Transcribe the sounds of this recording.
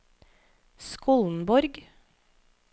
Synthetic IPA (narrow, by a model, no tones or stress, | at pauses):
skuːln̩bɔɾɡ